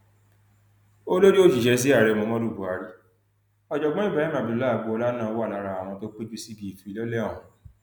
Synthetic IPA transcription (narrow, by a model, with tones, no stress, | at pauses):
o˦lo˦ɾi˦o˦d͡ʒi˨ʃɛ˧˦s̬i˦a˦˨ɾɛ˧˨mõ˧mã˦ɾu˦˨bu˨a˨˧ɾi˦ | ɔ˨d͡ʒɔ˨ɡ͡bɔ̃˦i˦˨ba˨˦ĩ˦mã˨bi˧˨u˨˦la˦˨bu˧ɔ˧la˦nã˦˨ɔ˧˦wa˦˨a˧ɾa˧˨a˨w̃ɔ̃˧to˦k͡pi˦d͡ʒi˦si˦bi˧i˨fũ˨˦i˧lɛ˦lɛ˦˨ũ˨